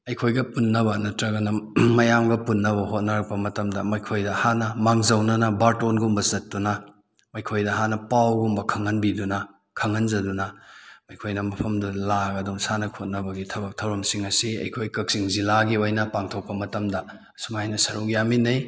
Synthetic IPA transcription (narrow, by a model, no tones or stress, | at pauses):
ɐjkʰojɡɐpunːɐβɐnɐtɾɐɡɐnɐmɐjamɡɐpunːɐβɐɦot̚nɐɾɐk̚pɐmɐtɐmdɐmɐjkʰojdɐhanɐmaŋzɐwnɐnɐbaɾtonɡumbɐsɐt̚dunɐ | mɐjkʰojdɐɦanɐpawɡumbɐkʰɐŋɐnbidunɐ | kʰɐŋɐnzɐdunɐmɐjkʰojnɐmɐpʰɐmdulaɡɐduŋsanɐkʰot̚nɐbɐɡitʰɐbɐk̚tʰɐwɾɐmsiŋɐsiɐ̰jkʰojkɐk̚siŋzilaɡiojnɐpaŋtʰok̚pɐmɐtɐmdɐ | sumajnɐsɐɾukjaminɐj